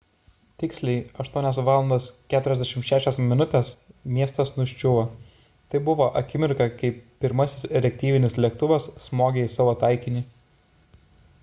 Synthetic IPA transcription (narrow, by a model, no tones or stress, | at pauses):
t̪ʲɪksʲlʲɛɪɐʃt̪uɔnʲɛsʋɑːlˠɐnd̪oːskʲæːt̪ʊɾʲɛzʲd̪ʲɛʃʲɪmʃʲæːʃʲɛsmʲɪnʊt̪ʲɛsmʲiɛst̪ɐsnʊʃʲt͡ʃʲʊʋɐ | t̪ɐɪbʊʋoːʔɐkʲɪmʲɪɾkɐkɐɪpːʲɪɾmɐsʲɪ̥sɾʲɛk̚ʲt̪ʲiːʋʲɪnʲɪslʲiɛkt̪ʊʋɐsːmoːɡʲeːɪsɑːʋoːt̪ɐɪkʲɪnʲɪ